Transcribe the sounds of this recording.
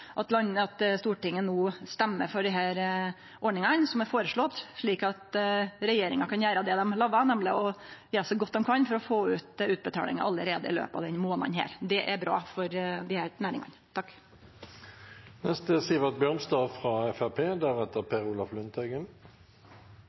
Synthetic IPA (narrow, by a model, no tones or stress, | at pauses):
ʔɑt̪lɑnːəɑt̪st̪uːʈɪŋːənuːst̪ɛmːəɾfɔɖɪɦæːɾ | ʔɔɖɳɪŋɑnsɔmæɾfoːɾəʂɭɔt̪ːʂɭiːkɑt̪ɾɛjeːɾɪŋɑkʰɑnjæːɾəd̪ɛd̪ɛmlɑːʋɑnɛmːlɪɔjesəɡɔt̪̚ːd̪ɛmkʰɑnfɔɾɔfoːʉːt̪ʉːt̪̚bət̪ʰɑ̰ːlɪ̰ŋɑʔɑlːəɾeːd̪əɪ̰lø̰ːpɑ̰ʋd̪ɛnmoːnɑ̰nɦæ̰ːɾd̪ɛʔæbɾɑ̰ːfɔɾd̪ɪhæːɾnæːɾɪ̰ŋɑ̰nt̪ʰɑkː | nɛst̪əsiːʋɑt̪̚bjœʁmst̪ɑːfʁɑɛfæpʰeːd̪æʁɛt̪əpʰeːʁuːlɑflʉnt̪ʰɛɡən